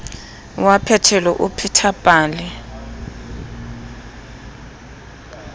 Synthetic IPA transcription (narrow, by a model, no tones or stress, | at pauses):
wapʰɛtʰɛlɛʔupʰitʰapʼaːlɛ